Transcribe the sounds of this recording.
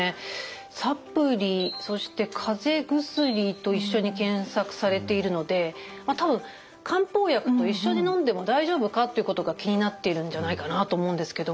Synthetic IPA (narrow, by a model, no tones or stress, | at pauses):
e | sapːɯ̟ɾʲiso̞ɕi̥t̪e̞kʰaze̞ɡɯ̟sɨɾʲit̪o̞iɕːo̞ɲ̟ikẽ̞ɰ̃sakɯ̟̥saɾe̞t̪e̞iɾɯ̟no̞d̪e̞ | mat̪abɯ̟̃ŋ | kʰãmpo̞ːjakɯ̟̥t̪o̞iɕːo̞ɲ̟inõ̞nd̪e̞mo̞d̪aiʑo̞ːbɯ̟kat̪ːe̞iɯ̟ko̞t̪o̞ɡakʲiɲ̟inat̪ːe̞iɾɯ̟̃ɲ̟d͡ʑanaikanat̪oːmo̞ɯ̟̃nd̪e̞sɨ̥ke̞d̪o̞